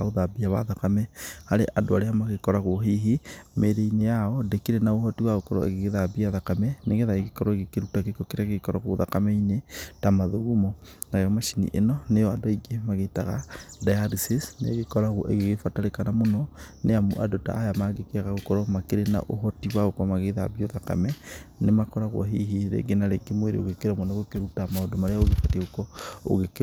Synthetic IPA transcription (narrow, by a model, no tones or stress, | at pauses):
aoðabiaβa̰ðakamɛhaɾeʔadoaɾeamaɣekɔɾaɣoɦiɦimeɾeinejaɔdekeɾenaohɔtiwaɣokɔɾɔ̰ḛɣeɣeðabiaðakamɛneɣeðaeɣekɔɾɔeɣekeɾutakekokeɾeaɣeɣekɔɾɔɣoðakameinetamaðoɣumɔnajɔmaʃinḭʔḛnɔnejɔadoiɡemaɣetaɣa̰dajaɾisisnḛɣekɔɾaɣoʔḛɣeɣefataɾekanamonɔneaa̰dota̰ːjamaɡekeaɣaɣokɔɾɔmakeɾena̰ʔoɦɔtiwaɣokwamaɣeðaβjoðaka̰mɛnemakɔɾaɣw̰ɦiɦiɾḛɡenaɾeɡemweɾḛo̰ɣekeɾamoneɣokeɾutamaodomaɾeaɣoɣefateɣokɔo̰ɣek